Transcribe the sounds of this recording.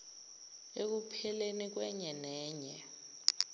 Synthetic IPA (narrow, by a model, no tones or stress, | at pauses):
ek̬upʰɛlenik̬wɛɲɛnɛːɲɛ